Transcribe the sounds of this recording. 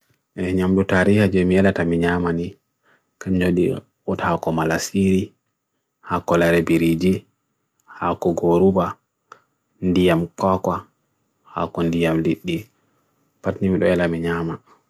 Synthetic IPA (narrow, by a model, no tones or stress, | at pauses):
ʔɛɲamɗutaɾihad͡ʒɛmiɛlatamiɲamani | kaɲd͡ʒoɗi | ɔthakɔmalasiɾi | hakɔlaɾɛbiɾid͡ʒi | hakɔɡoɾuba | ndijamkɔkwa | ha̰kɔndijamliɗːi | patnimiɗɔɛlamiɲaːma